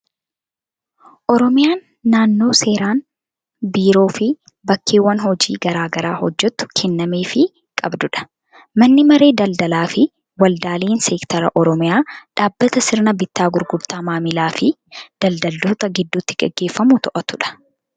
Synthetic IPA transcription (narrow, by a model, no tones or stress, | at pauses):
ʔɔɾɔmɪjaːnː | aːnːoːse̞ːɾaːn | biːɾo̞ːfɪ | bɐkːeːwːɐnhɔd͡ʒiːɡɐɾaːɡɐɾaːhɔd͡ʒːɛt̪ːʊ̥kʰɛnːɐmeːfɪ | kʼɐbd̪ʊᶑɐ̥ | mɐnːɪmɐɾe̞ːd̪ɐld̪ɐlaːfɪ | wɐld̪aːliːnsɛkt̪ɐɾɐʔɔɾɔmɪjaːᶑaːbːɐt̪ɐsɪɾnɐbɪt̪ːaːɡʊɾɡʊɾt̪ɐmaːmɪlaːfɪ | d̪̥ɐld̪ɐld̪uːt̪ɐɡɪd̪ːuːt̪ːɪ̥ɡɛɡːe̞ːfːɐmʊt̪ɔʔɐt̪ʊᶑɐ̥